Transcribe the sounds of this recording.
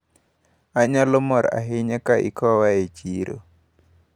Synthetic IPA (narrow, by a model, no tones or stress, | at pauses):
aɲalɔmɔɾa̰ɦɪɲakaʔḭkɔwaet͡ʃiɾo̰